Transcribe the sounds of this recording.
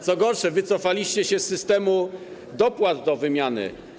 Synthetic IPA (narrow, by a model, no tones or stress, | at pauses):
t̪sɔɡɔɾʂɛvɘt̪sɔfalʲiɕt͡ɕɛɕɛsːɘst̪ɛmu | d̪ɔpwad̪d̪ɔvɘmʲjanɘ̰